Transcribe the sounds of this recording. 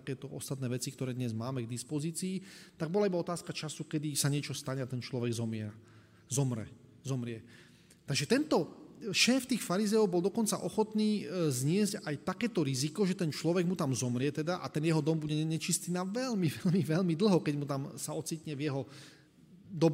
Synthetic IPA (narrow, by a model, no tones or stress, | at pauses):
t̪akɛːt̪ɔɔ̰st̪at̪nɛːʋɛt͡sik̚t̪ɔɾɛːd̪ɲɛzmaːmɛɡd̪ispɔziːt͡siːt̪aɡ̚bɔlaibaɔt̪aːskat͡ʃasukɛd̪isaɲɪɛt͡ʃɔst̪aɲɛat̪ɛnt͡ʃlɔʋɛɡzɔmɪɛɾa | zɔmɾɛ̰ | zɔmɾɪɛ | t̪aɡʒɛt̪ɛnt̪ɔʃɛːft̪iːxfaɾizɛjɔʊbɔld̪ɔkɔnt͡sa̰ʔɔxɔt̪niːzɲɪɛzcajt̪akɛːt̪ɔɾizikɔʒɛt̪ɛnt͡ʃlɔʋɛɡmut̪amzɔmɾɪɛt̪ɛd̪aʔa̰t̪ɛnjɛɦɔd̪ɔmbuɟɛɲɛt͡ʃist̪iːnaʋɛlmiʋɛʎmiʋɛʎmid̪l̩ˠɦɔkɛɟmut̪amsaɔt͡sit̪ɲɛvjɛɦɔ | d̪ɔb